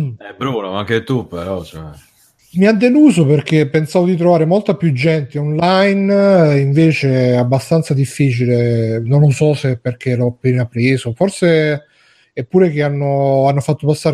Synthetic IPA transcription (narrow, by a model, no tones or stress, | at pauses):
ɛbɾuːnoaŋket̪upːeɾɔt͡ʃoɛ | miad̪ːeluːzoperk̟epːensaːvod̪it̪ɾovaːɾemolt̪apjud͡ʒːɛnt̪eɔnlajniɱveːt͡ʃeabːast̪ant̪sad̪ifːiːt͡ʃilenonlosɔsepːerk̟elɔapːeːnapːɾeːzoforse | ɛpːuːɾek̟eanːoanːofat̪ːopasːaːɾe